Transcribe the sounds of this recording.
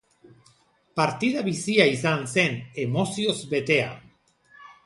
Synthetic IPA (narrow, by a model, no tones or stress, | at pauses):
paɾt̪iðaβisiaisansenemosjozbet̪ea̰